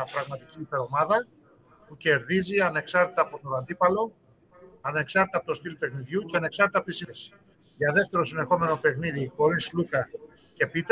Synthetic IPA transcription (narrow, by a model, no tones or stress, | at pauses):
ɐpɾɐɣmɐt̪iciːpe̞ɾo̞mɐðɐ | puce̞ɾðiziɐne̞ksɐɾt̪et̪ɐːpo̞t̪oɾɐnd̪ipɐlo̞ | ɐne̞ksɐɾt̪et̪ɐpot̪st̪ilpe̞xniðʝuceɐne̞ksɐɾt̪et̪ɐpot̪isies | ʝɐðe̞ft̪e̞ɾo̞sine̞xo̞me̞no̞pe̞xniðiko̞ɾislukɐ | ce̞pit̪